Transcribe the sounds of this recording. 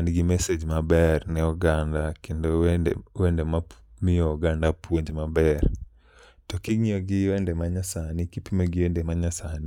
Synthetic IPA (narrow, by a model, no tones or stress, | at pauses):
anɡɪmɛsed͡ʒmabɛrnɛɔɡandakendowendemamɪɔɔɡandapwoɲd͡ʒmabɛr | tɔkiŋiɔɡɪwendemaɲasanikipimoɡɪendemaɲasani